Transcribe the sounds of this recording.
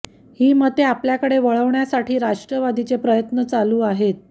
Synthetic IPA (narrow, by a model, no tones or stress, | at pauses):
hiːmət̪eapljakəɽeʋəɭəʋɳjasaʈiːɾaʂʈɾəʋad̪it͡sepɾəjət̪nət͡saluːaɦet̪̚